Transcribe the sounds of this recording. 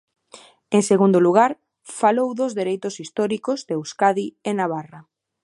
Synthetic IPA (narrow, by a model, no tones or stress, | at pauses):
eŋseɣund̪oluɣ̞aɾ | falowðozðeɾejt̪ʊsist̪ɔɾikozðewskaðienaβ̞ara